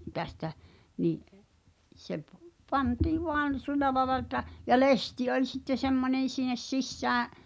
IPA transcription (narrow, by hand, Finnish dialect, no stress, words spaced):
tæstæ niʔ se p pɑntiː ʋoɑn sy̞lˑæ lɑĕlɑ etˑæ jɑ lesti olʲ sitːe semːonʲen̞ sinˑes sisːæːʔ